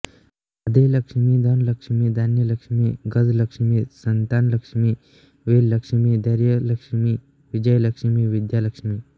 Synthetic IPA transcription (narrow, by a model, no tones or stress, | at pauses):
ɐd̪elɐkʂmid̪ʱɐnlɐkʂmiːd̪aːnjəlɐkʂmiɡɐd̪lɐkʂmisɐnt̪aːnlɐkʂmi | ʋeːllɐkʂmid̪ɐɾjəlɐkʂmi | ʋid͡ʒəjlɐkʂmiʋid̪jaːlɐkʂmiː